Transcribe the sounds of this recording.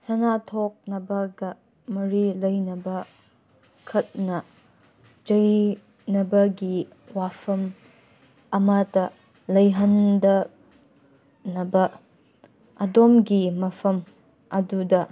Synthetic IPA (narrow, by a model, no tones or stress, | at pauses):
sɐnatʰok̚nɐbɐɡɐ | mɐɾilɐjnɐbɐ | kʰɐt̚nɐ | d͡ʒɐj | nɐbɐɡi | wapʰɐm | ɐmatɐ | lɐjɦɐndɐ | nɐbɐ | ɐdomɡimɐpʰɐm | ɐdudɐ